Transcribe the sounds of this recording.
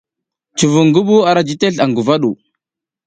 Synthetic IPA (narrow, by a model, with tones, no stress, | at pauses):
t͡ʃu˨vu˨ŋɡu˦ɓu˦a˨ɾa˦d͡ʒi˦te˦ɬa˨ŋɡu˨va˦ɗu˨